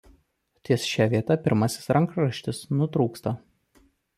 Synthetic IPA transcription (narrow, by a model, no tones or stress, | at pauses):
t̪ʲisʃʲæʋʲiɛt̪ɐpʲɪɾmɐsʲɪ̥sɾɐŋkɾɐʃʲt̪ʲɪsnʊt̪ɾuːkst̪ɐ